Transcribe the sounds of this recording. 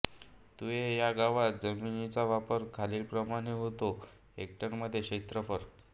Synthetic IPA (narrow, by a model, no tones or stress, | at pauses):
t̪uejaɡaʋat̪̚d͡zəminit͡saʋapəɾkʰaliːlpɾəmaɽ̃eɦot̪o | ek̚ʈənməd̪ʱːjeɕet̪ɾəfəɾ